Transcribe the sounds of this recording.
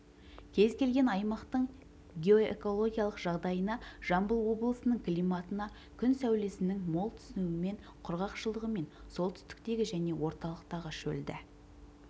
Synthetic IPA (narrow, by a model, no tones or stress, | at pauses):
kʲʰe̞zkʲe̞lɡʲe̞nɑjmɑqt̪əɴ | ɡʲeo̞ḛko̞lˠo̞ɡʲijalˠəqʒɑʁd̪ɑjənɑʒ̥ɑmbəlˠwo̞blˠəsənəɴklijmɑt̪ənɑ | kʲʰʏnsæwle̞sɪnɪŋmo̞lˠt̪ʰʏ̥sɪnuɪme̞ɴ | qʰʊɾʁɑqʃəlˠəʁəme̞nso̞lˠt̪ʰʏ̥st̪ɪ̥k̚t̪e̞ɡʲɪʒæne̞wo̞ɾt̪ɑlˠəqt̪ɑʁəʃɵ̰ld̪ɪ̰